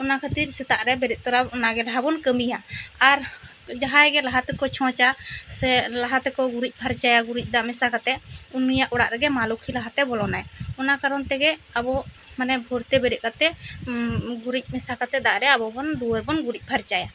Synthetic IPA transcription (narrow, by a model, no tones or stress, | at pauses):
ɔnakʰət̪iɾsɛt̪aʔɾɛbɛɾɛʔ̪̚t̪ɔɾaɔnaɡɛɾaɦabɔnkəmijaːɾ | d͡ʒaɦajɡɛlaɦat̪ɛkɔt͡ʃʰɔ̃t͡ʃasɛlaɦat̪ɛkɔɡuɾic̚ˀpʰaɾt͡ʃajaɡuɾic̚ˀd̪aʔmɛsakat̪ɛunijaʔɔɽaʔɾɛɡɛmalɔkʰilaɦat̪ɛbɔlɔnajɔnakaɾɔnt̪ɛɡɛabɔ | manɛbʱɔɾt̪ɛbɛɾɛʔ̚kat̪ɛ | ɡuɾic̚ˀmɛsakat̪ɛd̪aʔɾɛabɔbɔnd̪uwəɾbɔnɡuɾic̚ˀpʰaɾt͡ʃaja